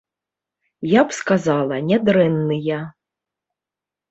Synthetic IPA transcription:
japskazalˠɐnʲɛd̪ɾɛnːɨja

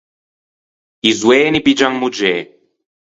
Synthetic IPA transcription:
izwɛːnipid͡ʒaŋmud͡ʒɛː

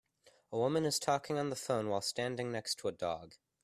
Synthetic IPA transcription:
əwʊmɨ̃nɨz̥tʰɔkɪ̃ŋə̃nðəfõʊ̃nwaɪlˠstæ̃ndɪ̃ŋnɛkstʰəədɔ̰ɡ̥

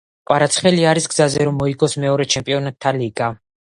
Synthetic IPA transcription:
qʼwaɾat̪sʰχɛliaɾisɡz̥azɛɾɔmːɔiɡɔsmɛɔɾɛt͡ʃʰɛmpʼiɔnat̪ʰːaliɡa

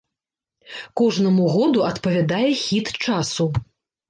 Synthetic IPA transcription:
kɔʐnɐmuɣɔd̪uɐt̪pɐvʲad̪ajɛxʲit̪t͡ʂasu

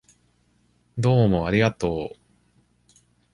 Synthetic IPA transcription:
d̪o̞ːmo̞aɾʲiɡat̪o̞ː

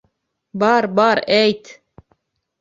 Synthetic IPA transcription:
bɑːɾbɑːɾejt̪

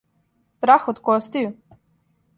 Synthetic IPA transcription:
pɾaxot̪kost̪iju

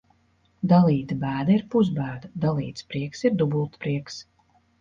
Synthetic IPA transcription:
d̪alˠiːt̪abæːd̪aiɾpuzbæːd̪ad̪alˠiːt̪spɾiɛksiɾd̪ubulˠt̪pɾiɛks

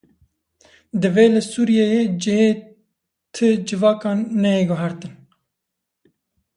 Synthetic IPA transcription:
d̪ɨveːlɨsuːɾijejed͡ʒɪheː | t̪ʰɨd͡ʒɨvɑːkɑːnːɛjeɡʊɦɛɾt̪ɨn

